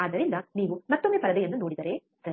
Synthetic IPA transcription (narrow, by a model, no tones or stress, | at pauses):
aːd̪ɐɾind̪ɐniːʋumɐt̪ːomːeːpɐɾɐd̪ɐjɐnːunoːɽid̪ɐɾe | sɐ